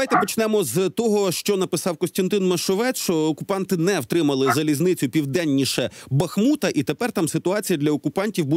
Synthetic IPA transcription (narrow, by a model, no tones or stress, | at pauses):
ajt̪ɛpɔt͡ʃnɛmɔzt̪ɔɦɔʃt͡ʃɔnɐpɪsɑwkɔsʲt̪ɐnt̪ɪnmɐʃɔʋɛt͡s̪t͡ʃɔɔkʊpɑnt̪ɪnɛwt̪ɾɪmɐlˠɪzɐlʲiznɪt͡sʲʊpʲiwd̪ɛnʲːiʃɛbɐxmut̪ɐʔit̪epɛrt̪ɑmsɪt̪ʊɑt͡sʲijɐd̪lʲɐɔkʊpɑnʲtʲiwbu